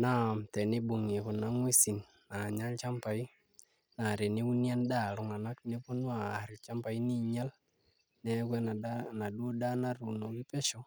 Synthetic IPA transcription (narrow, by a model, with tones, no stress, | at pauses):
na˦˨mtɛ˨nɪ˦bu˨ŋe˨kʊ˨na˦ŋwe˦si˨nːa˨ɲa˦lt͡ʃa˦mpa˨i˦ | na˨ɾe˨nɪ˦u˦nja˦nda˦˨ɾʊ˨ŋa˨na˦kne˦po˦nwa˨ɾɪ˨t͡ʃa˦mpa˨i˦ni˦ɲa˦l | nɛ˦kɛ˦n˨na˨dwo˦da˦na˦ɾu˨no˨ki˦pɛ˦ʃɔ˨